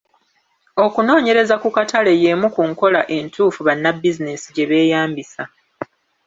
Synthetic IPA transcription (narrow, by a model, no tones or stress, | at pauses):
o̞kuno̞ːɲe̞ɾe̞zakukatʰale̞je̞mukuŋko̞laʔe̞ntuːfuβanːabːizine̞siɟe̞βe̞ːjaːmbisa